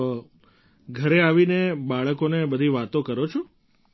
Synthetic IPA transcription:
ɡʱəɾeaʋinebaɭəkonebəd̪ʱiʋat̪okəɾot͡ʃʰo

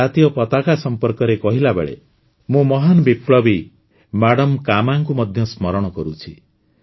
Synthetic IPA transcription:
at̪ijɔpɔt̪akasɔmpɔɾkɔɾekɔɦilabḛɭḛ | mũmɔɦanɔbipɭɔbi | maɽɔmkamaŋkumɔd̪ʱjɔsmɔɾɔɽ̃ɔkɔɾut͡ʃʰi

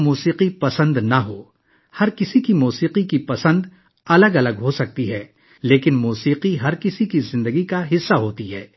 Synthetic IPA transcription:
muːsiːqipɐsə̃nd̪nɐɦoː | hɐɾkɪsikimuːsiːqikipɐsə̃nd̪ | ɐləɡɐləɡɦosɐk̚t̪iɦɛː | leːkɪnmuːsiːqiɦɐɾkɪsikizɪ̃nd̪əɡikaɦɪsːaɦoːt̪iɦɛː

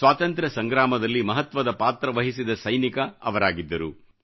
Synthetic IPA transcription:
sʋaːt̪ɐnt̪ɾɐsɐŋɡɾaːmɐd̪ɐlːimɐɦɐt̪ʋɐd̪ɐpaːt̪ɾɐʋɐɦisid̪ɐsɐjnikɐɐ̰ʋɐɾaːɡid̪ːɐɾu

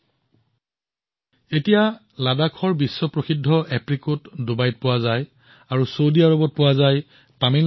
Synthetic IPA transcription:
etija | ladakʰɔɹbisːɔpɹoxidʱːɔʔɛpɹikutdʊbajt̚pʊwazaj | aɹusowdiaɹobɔt̚pʊwazaj | pamin

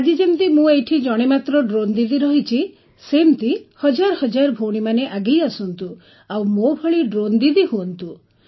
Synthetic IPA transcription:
ad͡ʒ̪id͡ʒemt̪imũejʈʰid͡ʒɔɽ̃emat̪ɾɔɖɾond̪id̪iɾɔɦit͡ʃʰi | semt̪ihɔd͡ʒaɾɔhɔd͡ʒaɾɔbʱoɽ̃imaneʔaɡejasɔnt̪u | awmobʱɔɭiɖɾond̪id̪iɦuɔnt̪u

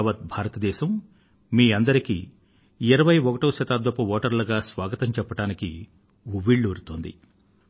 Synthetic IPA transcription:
ʋɐt̪̚bʱaːɾɐt̪ɐd̪ɛːʃɐmː | iːɐnd̪ɐɾikḭ | iɾɐʋɐjɔkɐʈɐːʃɐt̪aːd̪ʋɐpːɐʋoːʈɐɾlɐɡaːsʋaːɡɐt̪ɐɲt͡ʃɛpːɐʈaːnikḭ | uʋːiɭːuɾut̪oːnd̪ḭ

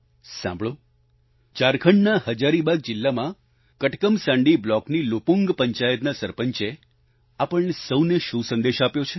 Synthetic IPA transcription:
sã̰mbʱɭo | t͡ʃaɾkʰəɳɖnahəd͡ʒaɾibaɡ̚d͡ʒɪlːamã | kəʈkəmsãɳɖiblɔknilopuŋɡpəɲt͡ʃajət̪nasəɾpəɲt͡ʃe | apəɭɳesəwneʃũsə̃nd̪eʃapjot͡ʃʰe

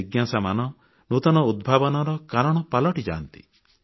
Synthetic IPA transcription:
iɡjasamanɔ | nut̪ɔnɔud̪̚bʱabɔnɔɾɔkaɾɔɽ̃ɔpalɔʈid͡ʒa̰ːnt̪i̥̰

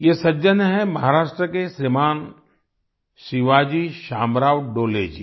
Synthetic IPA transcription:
jesɐd͡ʒənɦɛmɐɦaːɾaːʃʈɾəkesɾɪmaːn | ʃɪʋaːd͡ʒiʃaːmɾaːʋɖoːlḛːd͡ʒḭː

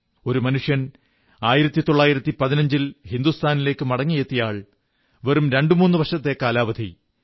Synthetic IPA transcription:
o̞ɾumɐnuʂjɐn | aːjiɾɐt̪ːit̪o̞ɭːaːjiɾɐt̪ːipɐðinɐɲd͡ʑilhind̪ust̪ʰaːnile̞ːkːɨmɐɽɐŋːijet̪ːijaːɭ | ʋerumɾe̞ɳɖɨmuːnːɨʋɐrʂɐt̪ːe̞kaːlaːʋɐd̪ʱḭ

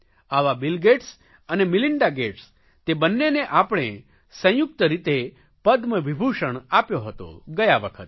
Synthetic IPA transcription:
aʋabɪlɡeʈs | ənemɪlɪɳɖaɡeʈs | t̪ebənːeneʔapɽ̃e | sə̃jʊk̚t̪əɾit̪e | pəd̪ʱməʋibʱuʃəɳ̃apjoɦət̪o̰ɡəjaʋəkʰət̪̚

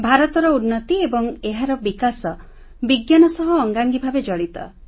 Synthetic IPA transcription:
bʱaɾɔt̪ɔɾɔunːɔt̪iebɔŋeɦaɾɔbikasɔ | biɡjanɔsɔɦɔːŋɡaŋɡibʱabed͡ʒɔɽ̃it̪ɔ̰

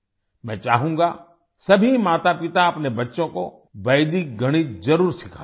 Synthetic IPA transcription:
mɛ̃ːt͡ʃa̰ːɦũːɡa | sɐbʱimaːt̪apɪt̪aɐpnebɐtːʃõko | ʋɐjd̪ik̚ɡʱɐɽ̃izɐɾuːɾsɪkʰaː

